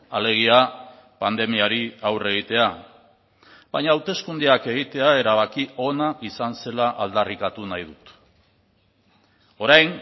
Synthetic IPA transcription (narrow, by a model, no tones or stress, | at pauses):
ale̞ɣ̞ia | pand̪e̞miaɾiawre̞ɣ̞it̪e̞a | βaɲaːwt̪e̞skund̪eake̞ɣ̞it̪e̞ae̞ɾaβakio̞naʔisanse̞laʔald̪arikat̪unajð̞ut̪ | o̞ɾajn